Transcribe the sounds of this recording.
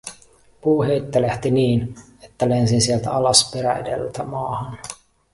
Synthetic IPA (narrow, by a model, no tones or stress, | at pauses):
puːɦejt̪ːeleht̪iniːn | et̪ːælensinsielt̪æ̰ɑlɑspeɾæedḛlt̪æmɑːhɑn